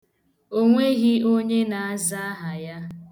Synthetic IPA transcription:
o˦ŋʷe˦ɣi˦o˦ɲe˦na˨a˦za˦a˦ɦa˨ja˦

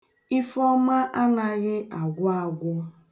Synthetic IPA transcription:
i˦fɔ˦ma˦ʔa˦na˦ɣɪ˦ʔa˨ɡʷʊ˦a˦˨ɡʷʊ˦

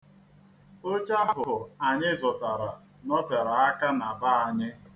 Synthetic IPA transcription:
o˦t͡ʃa˦ɦʊ˨ʊ˨a˨ɲɪ˦zɔ˨ta˨ɾa˨ | nɔ˦tɛ˨ɾa˨a˦ka˦na˨ba˦a˨ɲɪ˦

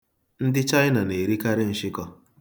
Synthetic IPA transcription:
n̩˦dɪ˦t͡ʃa˦ɪ˦na˨ne˨ɾi˦ka˦ɾɪ˦n̩˨ʃɪ˦kɔ˦

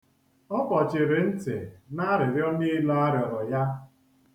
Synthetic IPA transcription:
ɔ˦pɔ˨t͡ʃɪ˨ɾe˨n̩˦tɪ̰˨na˦ɾɪ˨ɾjɔ˦nɪ˦lɔ˦a˦ɾjɔ˨ɾɔ˨ja˦

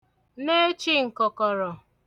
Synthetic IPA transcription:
ne˦t͡ʃi˦ŋ̩˨kɔ˨kɔ˨ɾɔ˨

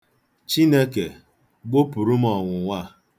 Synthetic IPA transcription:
t͡ʃi˦ne˦ke˨ | ɡ͡bo˦pu˨ɾu˦m̩˦ɔ˨ŋʷʊ˨ŋʷa˦

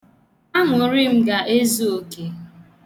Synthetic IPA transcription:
a˦ŋʊ˨˦ɾɪ˦m̩˦ɡa˨ʔe˦zu˦o˨ke˨

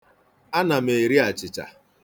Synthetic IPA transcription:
a˦na˨m̩e˨ɾi˦a˨t͡ʃɪ˨t͡ʃa̰˨

